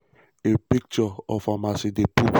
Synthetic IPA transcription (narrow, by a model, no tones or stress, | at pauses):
epik̚t͡ʃɔɔfamasidepu